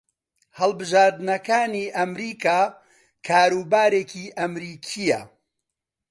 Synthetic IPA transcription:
hɐlˠbɨʒaːɾd̪nɐkaːniːʔɐmɾiːkaː | kʰaːɾuːbaːɾeːkiːʔɐmɾiːkʰijɐ̰

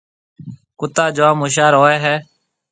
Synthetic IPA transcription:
kʊt̪aːd͡ʒoːaːmuʃ̬aːɾɦoːeːɦɛː

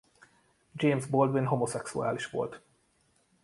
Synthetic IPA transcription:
d͡ʒeːmzbold̪ʋinɦo̞mosɛksṵa̰ːliʃʋo̞̰lt̪

